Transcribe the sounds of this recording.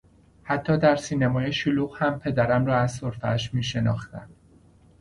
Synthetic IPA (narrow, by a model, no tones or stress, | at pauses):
hæt̪ʰːɒːd̪æɾsiːnemɒːjeʃoluːɣhæmpʰe̞d̪æɾæmɾɒːæzsoɾfææʃmiːʃe̞nɒ̰ːxt̪æ̰n̥